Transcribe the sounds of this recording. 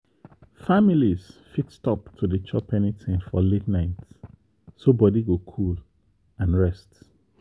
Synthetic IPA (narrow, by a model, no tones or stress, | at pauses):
familizfitstɔptʰudət͡ʃɔpʰɛnitʰɪ̃nfɔ̰letnaɪt | sobɔdiɡokʰul | ãnɹɛst